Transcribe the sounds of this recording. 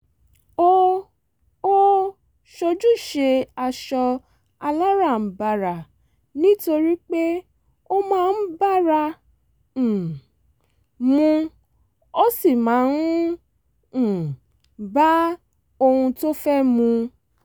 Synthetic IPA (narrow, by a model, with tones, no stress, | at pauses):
o˦ | o˦ | ʃo˧d͡ʒu˦ʃe˧a˧ʃɔ˧ | a˧la˦ɾã˦˨ba˧ɾa˨ | nĩ˦to˧ɾi˦k͡pe˦ | o˦mãː˦˧n̩˦ba˦ɾã˧˨ | mũ˧ | o˦si˦˨mãː˨˦n˦˨ | ba˦ | o˧hũ˧to˦fɛ˦mũ˧